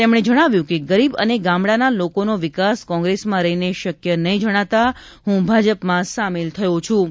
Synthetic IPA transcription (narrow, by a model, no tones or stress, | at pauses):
t̪emɽ̃ed͡ʒəɽ̃aʋjũkeɡəɾibəneɡãmɽanalokonoʋɪkaskɔ̃ŋɡɾesmãɾəɦineʃəkjənəɦĩd͡ʒəɽ̃at̪a | ɦũbʱad͡ʒəpmãsamelt̪ʰəjõt͡ʃʰũ